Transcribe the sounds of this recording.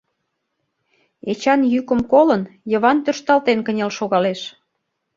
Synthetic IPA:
et͡ɕɑnjykə̆mkolənjə̆βɑnt̪øʃt̪ɑlt̪enkənʲelʃoɣɑleʃ

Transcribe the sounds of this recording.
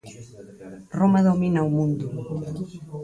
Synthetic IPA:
romaðominawmũnd̪ʊ

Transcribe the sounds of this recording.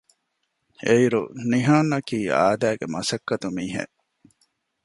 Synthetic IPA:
eiɾṵniɦaːnːɐkiːa̰ːd̪æːɡemɐsɐkːɐt̪umiːɦḛ

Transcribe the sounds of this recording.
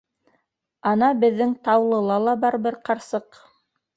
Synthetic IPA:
ɑnɑbɘ̆ðːɘŋt̪ɑwlˠɤ̆lˠɑlˠɑbɑɾbɘɾqɑɾsɤq

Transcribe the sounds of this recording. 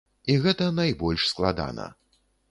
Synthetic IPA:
iɣɛt̪ɐnajbɔlʲʂsklˠad̪a̰nɐ̰

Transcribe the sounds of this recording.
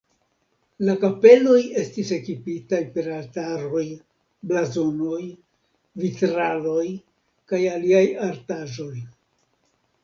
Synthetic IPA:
lakape̞lo̞je̞stise̞kipitajpe̞ɾaltaɾo̞j | blazono̞j | vitɾalo̞j | kajaliajaɾtaʒo̞j

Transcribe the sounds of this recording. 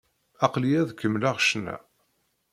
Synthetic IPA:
ɑqliæðkəmːlaʁʃnæ̰

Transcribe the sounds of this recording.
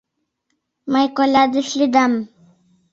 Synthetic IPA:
majkolad̪iʂlid̪am

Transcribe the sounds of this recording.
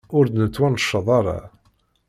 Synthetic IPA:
ʊɾd̪nət͡sːwænʃːɑðˤɑɾˤa̰

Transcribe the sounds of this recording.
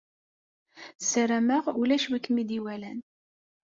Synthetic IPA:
səɾæməʁulæʃwikːmid̪iwælæn

